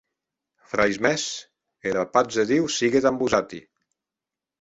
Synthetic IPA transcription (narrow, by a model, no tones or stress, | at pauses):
fɾajzmɛs | eɾapat̪zeðiwsiɣet̪ambuzat̪ḭ